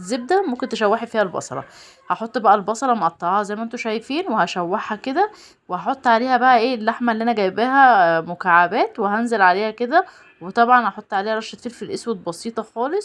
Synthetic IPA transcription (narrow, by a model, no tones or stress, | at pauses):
zeb̚d̪æmomkent̪eʃæwːeħfiːhælbɑ̰sˤɑ̰ɾˤɑ̰ | hɑħot̪ˤːbæʔælbɑsˤɑɾˤɑmʔɑt̪ˤːɑʕɑhɑzæjːmæʔent̪oʃæjfiːnwehæʃæwːaħhæked̪æ | wehɑħot̪ˤːʕaleːhæbæʔæʔeːlːaħmæelːiːʔænæɡæjbæhæmokaʕabæːt̪weɦænzelʕaleːhæked̪æ | wet̪ˤɑbʕɑnhɑħot̪ˤːʕaleːhæɾˤɑʃːæt̪filfilʔeswet̪̚bɑsiːt̪ˤɑxɑːlesˤ